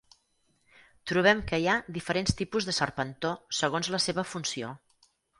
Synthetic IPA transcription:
t̪ɾuβ̞ɛmkəiaðifəɾenst̪ipuzðəsərpənt̪osəɣ̞onzləseβəfunsio

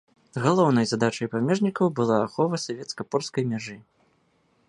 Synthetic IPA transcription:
ɣalˠɔwn̪ɐjzad̪at͡ʂɐjpamʲɛʐnʲikɐwbɨlˠaːxɔvɐsavʲɛt̪skɐpɔrskɐjmʲaʐɨ

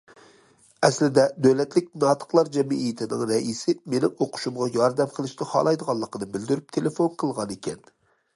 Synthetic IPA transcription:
ɛslɪd̪ɛd̪øwlɛt̪lɪk̚ʲnɑːt̪ʰə̥qlˠɑɾd͡ʒɛmiʔijt̪ʰɪnɪŋɾɛʔisɪmenɪŋoqʰʊ̥ʃumʁɑjɑɾd̪ɛmqʰəlˠɨʃt̪ɪhɑ̰lˠɑjd̪əʁɑlˠːəqənɨbɪld̪yɾyp̚t̪ʰelefonqʰəlˠʁɑnekʲɛn

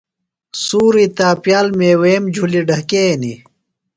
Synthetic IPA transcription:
suːɾit̪aːpjaːlmeːweːmd͡ʑʱuliɖʱɐkeni

